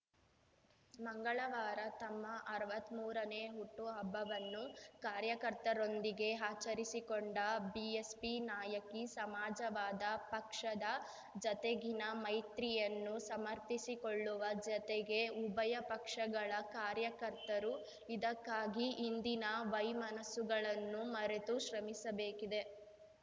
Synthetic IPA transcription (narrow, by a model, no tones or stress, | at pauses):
mɐŋɡɐɭɐʋaːɾɐt̪ɐmːɐʔːɾɐʋɐt̪muːɾɐneːɦuʈːuɦɐbːɐʋɐnːukaːɾjɐkɐɾt̪ɐɾo̞nd̪iɡe̞ɦaːt͡ʃɐɾisikoɳɖɐbiespinaːjɐkisɐmaːd͡ʒɐʋaːd̪ɐpɐkʂɐd̪ɐ | d͡ʒɐt̪eɡinɐmɐjt̪ɾijɐnːusɐmɐɾt̪isiko̞ɭːuʋɐd͡ʒɐt̪eɡe̞ubɐjɐpɐkʂɐɡɐɭɐkaːɾjɐkɐɾt̪ɐɾu | id̪ɐkːaːɡiʔːnd̪inɐʋɐjmɐnɐsuɡɐɭɐnːumɐɾet̪uʃɾɐmisɐbeːkid̪e̞